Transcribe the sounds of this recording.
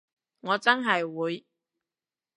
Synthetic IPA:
ŋɔː˨˧t͡sɐ˥nɦɐ˨jwuː˨˧j

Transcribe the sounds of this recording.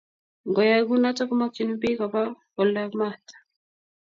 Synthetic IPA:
ŋɡɔ˨ja˨ɡu˦na˦ta˦ku˦ma˦ki˨nu˦bi˦kɔ˨pa˦kɔ˨la˦kma˦˨tḁ˨

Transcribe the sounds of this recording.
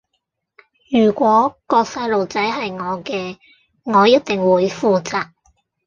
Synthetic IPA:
jyː˨˩kʷɔː˨˥kɔː˧k̚sɐ˧jlo˨wt͡sɐ˨˥jɦɐ˨jŋɔː˨˧kɛː˧ | ŋɔː˨˧jɐ˥t̚t̪ɪ˨ŋwuː˨˧jfuː˨t͡saː˨k̚

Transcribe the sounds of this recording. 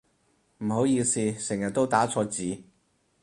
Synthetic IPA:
m̩˨˩ɦo˨˥wjiː˧siː˧sɪ˨˩ŋjɐ˨˩t̚t̪ːo˥wt̪aː˨˥t͡sʰɔː˧t͡siː˨˥

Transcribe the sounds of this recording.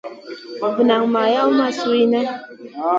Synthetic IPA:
vɨ˨na˨ŋma˨ja˦wma˦su˦i˦nɛ˦

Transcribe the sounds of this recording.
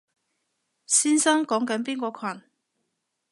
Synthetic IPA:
siː˥nsɐ˥ŋkɔː˨˥ŋkɐ˨˥npiː˥nkɔː˧kʰɐ˨˩n

